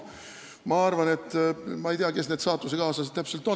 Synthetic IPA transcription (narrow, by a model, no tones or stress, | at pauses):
mɑɑrvɑne̞t̪ːmɑejt̪eɑke̞sneːd̪sɑːt̪ːˑus̬ekɑːsɑsi̥t̪æpse̞lt̪o